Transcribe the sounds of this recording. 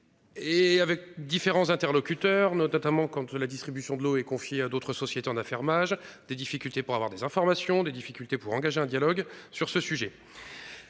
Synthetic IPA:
eavɛk̚d̪ifeʁɑ̃zɛ̃t̪ɛʁlɔkʲyt̪œʁnɔɔt̪amɑ̃kɑ̃t̪lad̪ist̪χibysjɔ̃d̪əloɛkɔ̃fjead̪ot̪χəsɔsjet̪eɑ̃nafɛʁmaʒd̪ed̪ifikʲylt̪epuʁavwaʁd̪ezɛ̃fɔʁmasjɔ̃d̪ed̪ifikʲylt̪epuʁɑ̃ɡaʒeɛ̃d̪jalɔɡsyʁsəsyʒɛ

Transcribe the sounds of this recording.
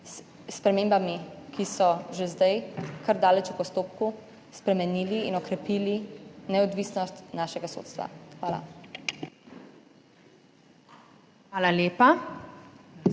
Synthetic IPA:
spɾɛmeːmbamikʰisɔʒezd̪ajkʰəɾd̪aːlɛt͡ʃupɔst̪oːp̚ku | spɾɛmɛniːliːnɔkɾɛpiːlinɛɔd̪ʋisnɔst̪naːʃɛɡaso̰t̪st̪ʋa̰xʋaːla̰ | ʋaːlaljeːpa

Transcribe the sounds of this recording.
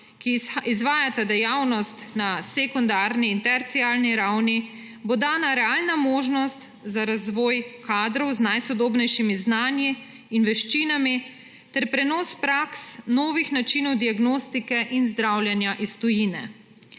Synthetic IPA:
kiizʋaːjat̪ad̪ɛjawnɔst̪nasekund̪aːɾniːnt̪ɛɾt̪siaːlniɾawni | bod̪aːnaɾɛalnamoːʒnɔst̪ | zaɾazʋɔːjkaːd̪ɾɔwznajsɔd̪oːbnɛjʃimiznaːnjiː | nʋɛʃt͡ʃiːnami | t̪ɛɾpɾɛnɔːspɾaksnɔːʋixnat͡ʃinɔwd̪iaɡnoːst̪ikɛʔinzd̪ɾawlʲjɛnjaʔist̪ɔjiːnɛ̰

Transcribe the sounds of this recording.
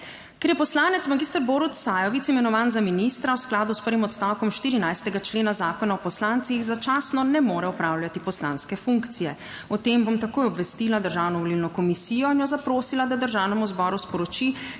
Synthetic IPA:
kɛɾjɛpɔslaːnɛt̪smaɡiːst̪əɾbɔɾut̪sajɔʋitsimɛnɔʋaːnzaminist̪ɾawsklaːd̪uspəɾʋimɔt̪st̪awkɔmʃt̪iːɾinajst̪ɛɡat͡ʃleːnazaːkɔnaɔpɔslaːnt̪sixzat͡ʃaːsnɔnɛmoːɾɛɔpɾaːwlʲjʲat̪ipɔsla̰ːnskɛfuŋkt̪sijɛ | ɔt̪embomt̪akoːjɔbʋɛst̪iːlad̪əɾʒaːwnɔʋɔlilnɔkɔmisiːjɔinjɔzapɾoːsilad̪ad̪əɾʒaːwnɛmuzbɔːɾuspɔɾɔt͡ʃi

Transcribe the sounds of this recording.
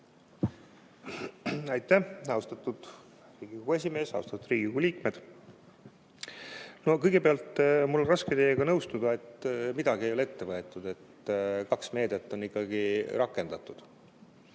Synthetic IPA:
ɑjt̪ːˑæhɑwst̪ɑt̪ːˑud̪̥ | riːɡ̥ikoɡ̥ue̞s̬ʲime̞ːsɑ̰w̰st̪ɑt̪ud̪riːɡikoɡuliːkme̞d̪̥ | no̞kɤjɡ̥e̞peɑlt̪mulːorɑsket̪ejːeɡ̥ɑnɤwst̪ud̪̥ɑe̞t̪ːmid̪ɑɡiejo̞leet̪ːe̞vɤe̞t̪ːˑud̪̥e̞t̪kɑksme̞ːd̪̥et̪ːo̞nːikːɑɡiɾɑkːˑe̞nd̪̥ɑt̪ːˑud̪̥

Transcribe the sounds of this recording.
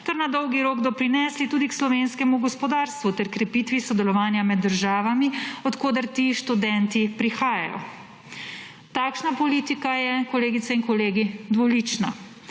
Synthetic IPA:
t̪ɛɾnad̪ɔwɡiɾoːɡd̪ɔpɾinɛːslit̪uːd̪ikslɔʋeːnskɛmuɡɔspɔd̪aːɾst̪ʋut̪ɛɾkɾɛpiːt̪ʋisɔd̪ɛlɔʋaːnjamɛd̪ːəɾʒaːʋamiɔt̪koːd̪ɛɾt̪iːʃt̪ud̪ɛnt̪ipɾixaːja̰jɔ̰ | t̪aːkʃnapɔliːt̪ikajɛkɔleːɡit̪sɛiŋkɔleːɡid̪ʋɔlit͡ʃna̰

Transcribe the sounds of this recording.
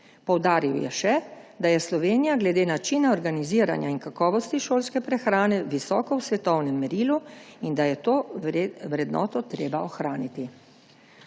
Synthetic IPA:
pɔwd̪aːɾiwjɛ̰ʃɛd̪ajɛslɔʋeːnijaɡlɛd̪eːnat͡ʃinaɔɾɡaniziːɾa̰nja̰inkakɔːʋɔst̪iʃoːlskɛpɾɛxɾaːnɛʋisɔːkɔwsʋɛt̪ɔwnɛmːɛɾiːluind̪ajɛt̪oːwɾɛd̪nɔ̰ːt̪ɔt̪ɾeːbaɔxɾaːnit̪i

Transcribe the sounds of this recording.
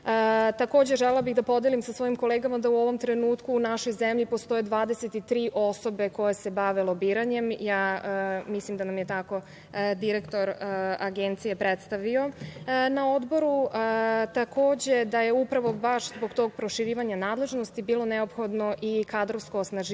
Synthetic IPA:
t̪ako̞ːd͡ʑe̞ʒelelabiɣd̪apo̞d̪jelimsasʋo̞imko̞leɡamad̪auo̞ʋo̞mt̪ɾe̞nuːt̪kuːnaʃo̞jzemʎipost̪o̞jed̪ʋaːd̪eset̪it̪ɾiːʔoso̞be̞ko̞je̞se̞baʋe̞lˠobiːɾaɲe̞mjaːmislimd̪anamjet̪ako̞ | d̪iɾekt̪o̞ɾaɡent̪sijepɾet̪st̪aʋio̞nao̞d̪bo̞ɾuət̪akoːd͡ʑe̞d̪aje̞upɾaʋo̞baʃzbo̞ɡt̪o̞ɡ̚pɾoʃiɾiːʋaɲanaːd̪le̞ʒno̞st̪ibiːlˠo̞neo̞pxo̞d̪no̞ʔikad̪ɾoʋsko̞ːsnaʒ

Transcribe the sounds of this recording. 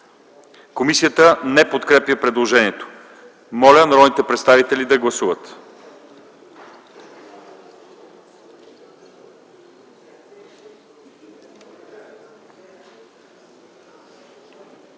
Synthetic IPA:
komisijət̪ənɛpot̪kɾɛpjəpɾɛd̪lˠoʒɛniɛt̪o̥ | mɔlʲənɾɔnit̪ɛpɾɛt̪st̪avit̪ɛlid̪ɐɡlˠɐsuvət̪

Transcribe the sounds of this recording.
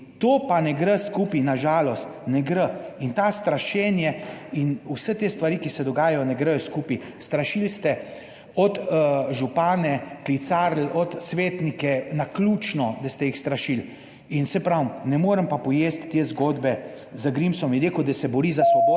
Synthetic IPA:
t̪oːpanɛɡɾəskupinaʒaːlɔst̪nɛɡɾəint̪aːst̪ɾaʃɛnjɛinusət̪eːst̪ʋaɾikisɛd̪ɔɡaːjajɔnɛɡɾɛjɔskuːpi | st̪ɾaʃilst̪ɛ | ɔt̪ʒupaːnɛklit̪saːɾlɔt̪sʋeːt̪nikɛnaklut͡ʃnɔd̪ast̪ɛjixst̪ɾaʃil | insɛpɾawnɛmoːɾəmpapɔjeːst̪ːeːzɡoːd̪bɛ | zəɡɾimsɔmiɾeːkud̪ɐsɛbɔɾiːzasʋɔboː

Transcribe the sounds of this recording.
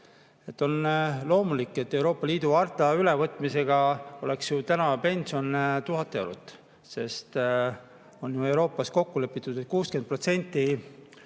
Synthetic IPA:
e̞t̪ːo̞nlo̞ːmulikːˑe̞t̪ːe̞wɾo̞ːpːˑɑliːd̪̥uɑrt̪ːˑɑylevɤt̪ːˑmise̞ɡ̥ɑo̞̰le̞ksjut̪ænɑpe̞nʲsio̞nt̪uɦɑt̪ːˑeeɾṵt̪ːˑ | se̞st̪ | o̞njue̞wɾo̞ːpːˑɑsko̞kːulø̞pːˑit̪ːˑud̪et̪̚kuːske̞nd̪̚pro̞t̪se̞nʲt̪ːi

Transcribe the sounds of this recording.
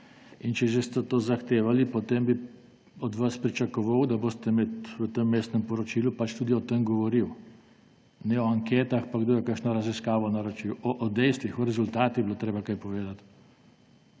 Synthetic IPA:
int͡ʃɛʒɛst̪ɛt̪oːzaxt̪eːʋalipɔt̪embi | ɔd̪ʋaspɾit͡ʃakɔʋawd̪aboːst̪ɛmɛt̪ʋət̪emːeːst̪nɛmpɔɾɔt͡ʃiːlupat͡ʃt̪ud̪iɔt̪emɡɔʋɔɾiw | nɛɔaŋkeːt̪axpaɡd̪ojɛkəɾkʃnɔɾɐziskaːʋɔnaɾɔt͡ʃiwɔʔːd̪ɛjst̪ʋixɔɾɛzult̪aːt̪ibiloːt̪ɾeːbakajpɔʋeːd̪at̪

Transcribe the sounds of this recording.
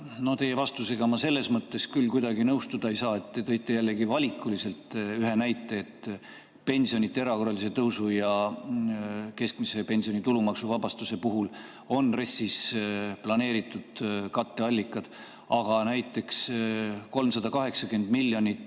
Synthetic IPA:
no̞t̪e̞je̞vɑst̪use̞ɡ̥ɑmɑse̞lːe̞smɤt̪ːe̞skylːkujd̪ɑɡinɤwst̪ud̪̥ɑejsɑːe̞t̪ːe̞t̪ɤ̞jt̪ːˑe̞jælːe̞ɡivɑlʲikːˑulise̞lt̪ˑyɦe̞næjt̪ːˑe̞ːt̪ | pe̞nʲsio̞nit̪ːˑeeɾɑko̞rɑlise̞t̪ɤwsujɑ | ke̞skmise̞pe̞nʲsio̞nit̪ulumɑksuvɑbɑst̪use̞puɦul | o̞nre̞sːisplɑne̞ːɾit̪ːˑud̪̥kɑt̪ːe̞ɑlʲːikːˑɑd̪̥ | ɑɡ̥ɑnæjt̪ːˑe̞ksko̞lmsɑd̪̥ɑkɑɦe̞ksɑkyend̪̥milːjo̞nʲit̪ːˑ

